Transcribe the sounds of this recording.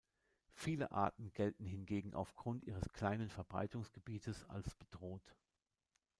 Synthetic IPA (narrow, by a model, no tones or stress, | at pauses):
fiːlə̰ʔa̰ɐtn̩ɡɛltn̩ɦɪnɡeːɡŋ̩ʔa̰ʊfɡ̥ʁʊntʔiːʁ̞əskʰl̥aɪnənfɛɐbʁa̰ɪtʊŋsɡ̥əbiːtʰəsa̰lsb̥ədʁoːt